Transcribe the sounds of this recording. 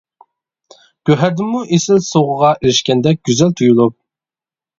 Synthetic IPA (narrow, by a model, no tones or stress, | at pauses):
ɡ̥ʲøɦæɾd̪ɪmːuʔesɪlsoʁəʁɑʔeɾɪʃkʲɛnd̪ɛk̚ʲɡ̥ʲyzælt̪ʰujulˠup̚